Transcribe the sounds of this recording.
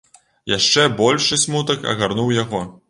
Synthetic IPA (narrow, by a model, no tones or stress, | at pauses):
jaʂt͡ʂɛbɔlʲʂɨsʲmut̪ɐkɐ̰ɣarnuwjaɣɔ